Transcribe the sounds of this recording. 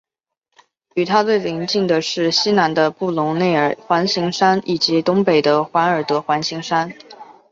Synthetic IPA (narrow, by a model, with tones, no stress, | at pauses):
y˨˩t̪ʰa˥t͡swe˥˩ɪli˧˥ŋt͡ɕi˥˩ŋd̪ə˩ʂɻ̩˥˩ɕi˥na˧˥nd̪ə˧pu˥˩lʊ˧˥ŋne˥˩ɪə˨˩xwa˧˥nɕi˧˥ŋʂa˥ni˨˩t͡ɕi˧˥t̪ʊ˥ŋpe˨˩ɪd̪ə˦xwa˧˥nə˞˨˩t̪ɤ˧˥xwa˧˥nɕi˧˥ŋʂa˥n